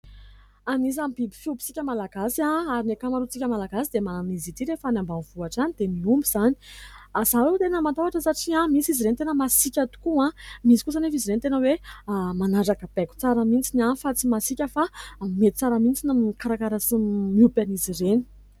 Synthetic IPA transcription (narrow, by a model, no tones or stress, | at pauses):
anis̬amibibi̥fiubi̥t͡sikʲəmalaɡasãaɾinekamaɾut͡sikʲəmalaɡasid̪emanizit̪iɾefanambanv̥uaʈ͡ʂanid̪̥emiumbiz̥ani̥azanet̪enəmant̪aaʈ͡ʂəsaʈ͡ʂiamisiziɾenit̪enəmasikʲat̪u̥kuãmisi̥kus̬anefiziɾenit̪enəwemanaɖ͡ʐakəb̥ɛku̥t͡saɾəmint͡sinafat͡simasikʲəfamet̪i̥t͡saɾəmint͡sinamkaɾakaɾasimiupʲanizireni̥